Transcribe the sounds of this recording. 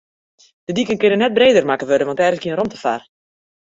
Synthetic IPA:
d̥ədikənkɪnənːɛt̚breːdərmakəʋødəʋɑntɛrɣələkiənrɔmtəfa̰r

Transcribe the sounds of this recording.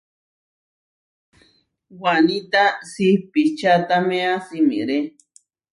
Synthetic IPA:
wanĩt̪asipit͡ʃat̪amẽãsimḭ̃ɾe

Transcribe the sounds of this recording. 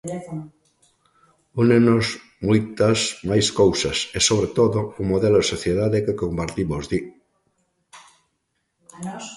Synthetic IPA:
unenoz | mujt̪azmajskowsasesoβ̞ɾet̪oðoumoðeloesoθjeðaðekekompaɾt̪imozði

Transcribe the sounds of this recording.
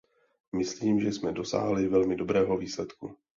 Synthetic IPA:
mɪsliːmʒɛsmɛdo̞sa̰ːɦlɪvɛlmɪdo̞bɾɛːɦo̞viːslɛt̪ku

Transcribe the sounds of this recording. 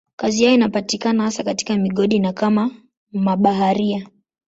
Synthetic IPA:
kazijajɔinapatikanahasakati̥kamiɠɔɗinakama | maɓaɦaɾia

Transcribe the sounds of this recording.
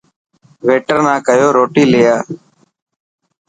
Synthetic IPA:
ʋeːʈəɾnãːkəjoːɾoːʈiːleːjaː

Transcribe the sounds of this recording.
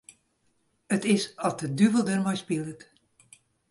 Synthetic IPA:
ətɪsɔt̚dədyvəlˠdərmɔjspilˠət

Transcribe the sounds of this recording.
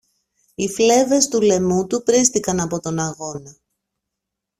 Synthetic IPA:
ifle̞ve̞st̪ule̞mut̪upɾist̪ikɐnɐpo̞t̪o̞nɐɣo̞nɐ

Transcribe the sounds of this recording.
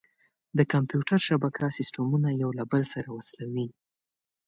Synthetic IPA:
d̪əkampjuʈaɾʃabakʰasɪsʈamunajawlabəlsaɾawaslawi

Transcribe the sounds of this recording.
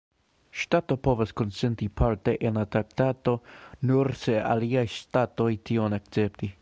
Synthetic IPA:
ʃt̪at̪opovaskonsent̪ipʰaɾt̪eʔenlat̪ɾak̚t̪at̪onuɾsea̰liajʃt̪at̪ojt̪ʰionakt͡sept̪i

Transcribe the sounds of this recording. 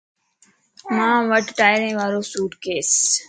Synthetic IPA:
mãːʋəʈʈaːɪɾẽːʋaːɾoːsuːʈkeːs

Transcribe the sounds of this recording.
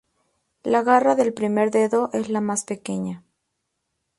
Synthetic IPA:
laɣaraðe̞lpɾime̞ɾðe̞ðo̞ʔe̞zlamaspe̞ke̞ɲa

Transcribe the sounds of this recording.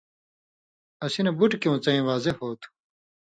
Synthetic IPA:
ɐsinɐbuʈkũːt͡sɐĩːʋaːzehoːt̪ʰu̥

